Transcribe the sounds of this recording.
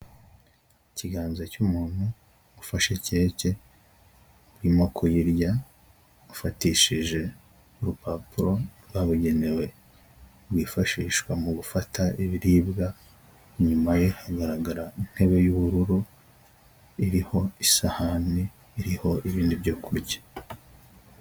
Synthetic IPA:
iciɡaːnzacumuːn̥hu | ufaʃece̞ːce̞ | uɾimo̞kʰujiɾja | ufatiːʃiʒe̞ | uɾupapuɾo̞ɾwaβuɟe̞ne̞we̞ | ɾwiːfaʃiːʃkwamuɡufatʰaiβiɾiːbɡa | ɲumaje̞haɡaɾaɡaɾain̥he̞βe̞juβuɾuɾu | iɾiho̞isahaniː | ɾiho̞ʔiβiːndibɟo̞ːkʰuɾɟḁ

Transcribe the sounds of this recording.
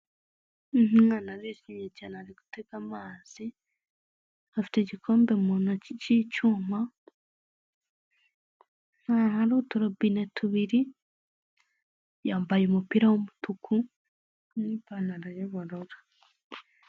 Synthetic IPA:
m̩hmŋaːnaɾiʃimjecaːnaɾiɡu̥teɡ̥amaːz̥i | afi̥te̞ɟikʰo̞ːmbemunacicuma | nahaɾutuɾobinetʰuβiɾi | jaːmbajeumupiɾawomutukʰu | niːpanaɾajaβaɾoɾḁ

